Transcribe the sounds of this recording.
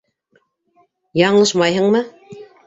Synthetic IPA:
jɑɴlˠɤʃmɑjɦɤ̆ɴmɤ

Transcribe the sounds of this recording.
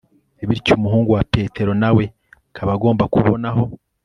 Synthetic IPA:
eβiɾcumuɦuːŋɡuwape̞ːtʰe̞ɾo̞nawe̞ | kʰaβaɡo̞ːmbakuβonaɦo̞

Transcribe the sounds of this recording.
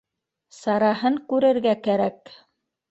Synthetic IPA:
sɑɾɑhɤŋkʉɾɘ̆ɾɡækæɾæk

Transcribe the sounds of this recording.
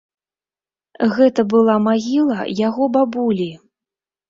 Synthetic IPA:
ɣɛt̪ɐbɨlˠamaɣʲilˠɐjaɣɔbabulʲi

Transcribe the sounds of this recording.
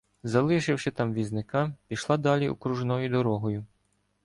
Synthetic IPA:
zɐlˠɪʃɪwʃɪt̪ɑmʋʲiznɪkɑpʲiʃlˠɑd̪ɑlʲiṵkɾuʒnɔjʊd̪ɔɾɔɦɔjʊ

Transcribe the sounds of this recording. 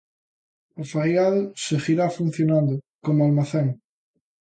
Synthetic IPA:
ofajalseɣiɾafun̟θjonãnd̪ʊkomoalmaθeŋ

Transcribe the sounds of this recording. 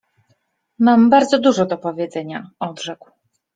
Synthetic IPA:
mambaɾd̪zɔd̪uʐɔd̪ɔpɔvʲjɛd̪zɛɲaɔd̪ʐɛkw

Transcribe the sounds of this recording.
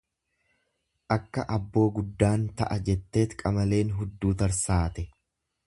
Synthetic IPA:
ʔɐkːɐʔɐbːo̞ːɡʊd̪ːaːnt̪ɐ̰ʔɐd͡ʒɛt̪ːe̞ːt̪kʼɐmɐle̞ːnɦʊd̪ːuːt̪ɐɾsaːt̪ɛ

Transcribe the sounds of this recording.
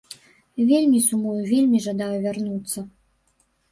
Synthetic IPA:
vʲelʲmʲisumujuvʲelʲmʲiʐad̪ajuvʲarnut̪sːɐ

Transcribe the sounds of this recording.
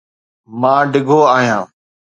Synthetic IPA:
mãːɖɪɡʱoːaːɦijãː

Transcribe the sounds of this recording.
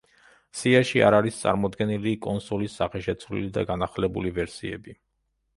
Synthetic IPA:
siaʃia̰ɾaɾist̪sʼa̰ɾmɔd̪ɡɛnilikʼɔnsɔlisːaχɛʃɛt̪sʰvlḭlid̪aɡanaχlɛbulivɛɾsiɛ̰bi

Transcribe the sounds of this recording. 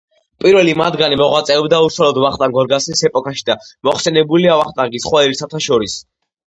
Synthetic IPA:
pʼiɾvɛlimad̪ɡanimɔʁwat̪sʼɛɔbd̪auʃwalɔd̪vaχt̪ʼaŋɡɔɾɡasisɛpʼɔkʰʼaʃid̪amɔχsɛnɛbuliavaχt̪ʼaŋɡisχwaiɾisʰat̪ʰaʃɔɾis

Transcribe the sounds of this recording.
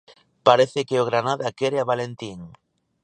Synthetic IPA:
paɾeθekeoɣɾanaðakeɾeaβalent̪iŋ

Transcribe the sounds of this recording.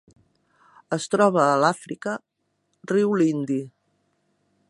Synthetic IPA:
əst̪ɾɔβ̞əːlafɾikə | riwlind̪i

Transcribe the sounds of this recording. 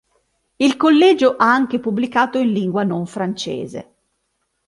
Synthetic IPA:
ilkolːɛːd͡ʒoʔaaŋk̟epubːlikaːt̪oinliŋɡwanoɱfɾant͡ʃḛːzḛ

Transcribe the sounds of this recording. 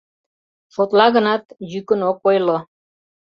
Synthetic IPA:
fot̪lɑɣə̆nɑt̪jykə̆nokojlo

